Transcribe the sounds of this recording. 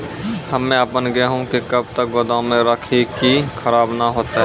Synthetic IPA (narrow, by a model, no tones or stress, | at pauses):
hɐmːẽəpənɡɦũkekɐb̚t̪əkbɐd̪õmẽɾəkʰekikʰəɾaːbnaɦoːt̪aɦɛː